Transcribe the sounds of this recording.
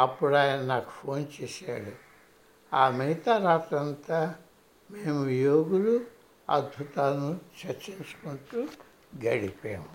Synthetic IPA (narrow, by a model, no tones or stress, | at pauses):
ɐpːuɽaːjɐnɐnaːku̥pʰo̞ːnt͡ʃɛːsa̰ːɽu | aːmiit̪aːɾaːt̪ɐnt̪aː | meːmujoːɡulu | ɐ̰d̪̚bʱut̪aːnut͡ʃɐɾt͡ʃiɲt͡ʃu̥kuɳʈuː | ɡɐɽipḛːmu